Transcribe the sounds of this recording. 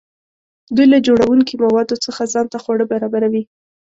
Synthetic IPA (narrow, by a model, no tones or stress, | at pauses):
d̪ujlad͡ʒoɽawuŋkimawɑd̪ot͡səxazɑnt̪axwaɽəbaɾɑbaɾawi